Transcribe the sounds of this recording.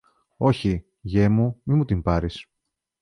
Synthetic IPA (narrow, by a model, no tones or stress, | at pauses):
o̞çi | ʝe̞mumimut̪impɐɾis